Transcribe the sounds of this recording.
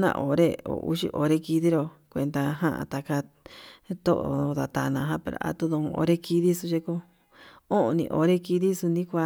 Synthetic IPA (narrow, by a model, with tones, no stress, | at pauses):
nã̰˧ʔo˨ɾe˦o̰˨ʔṵ˦ʃḭ˧ʔo˨˧ɾe˧ki˧ði˦ɾo˧ | kʷe˧nd̪a˧ɦã˦ʔã̰˧t̪a˧ka˧ | t̪o˦ʔo˧ða˨t̪a˨nã˧ɦã˦pe˧ɾa̰˧ʔa̰˧t̪u˧ðõ˧o̰˧ɾe˦ki˧ði˦su˧ʃe˧ko˧ | õ˦õ˧nḭ̃˧ʔo˧ɾe˦ki˧ði˦su˧nĩ˦kʷa˧